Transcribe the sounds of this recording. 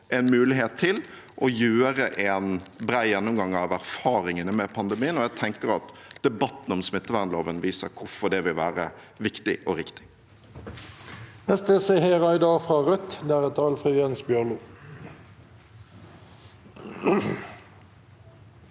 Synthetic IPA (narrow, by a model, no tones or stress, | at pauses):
ɛnmʉːlɪɦeːt̪ʰːɪl | ʔɔjøːəɾəʔɛnbɾæɪjɛnːʊmɡɑŋːɑʋæɾfɑːɾɪŋənəmɛpʰɑnd̪ɛmiːənɔjæt̪ʰɛŋkəɾɑt̪d̪̥ɛbɑt̪ːn̩ɔmsmɪt̪ːəʋæʁnloːʋənʋiːsəɾkʰʊɾfɔɖɛʋɪlʋæːɾə | ʋɪkt̪ɪʔɔɾɪkt̪ɪ̥ | nɛst̪əseheːʁɑɪd̪ɑːʁfʁɑʁœt̪d̪ɛæːɾɛt̪ʰɑːlfʁʉːjɛnsbjœʁluː